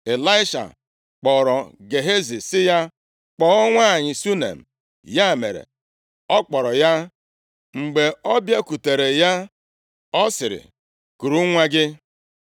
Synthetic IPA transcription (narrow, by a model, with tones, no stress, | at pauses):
e˨la˦ɪ˦ʃa̰˨ | k͡pɔ˨ɾɔ˨ɡe˨ɦe˦zi˨sɪ˦ja˦ | k͡pɔ˨˦ɔ˦ŋʷa˦˨ɲɪ˨su˦nḛ˨m̩˨ | ja˦˨mḛ˨ɾḛ˨ | ɔ˦k͡pɔ˨ɾɔ˨ja˦ | ŋ͡m̩˨ɡ͡be˨ɔ˦bja˦ku˨te˨ɾe˨ja˦ | ɔ˦sɪ˨ɾɪ̰˨ | ku˨ɾu˦ŋʷa˦ɡɪ˦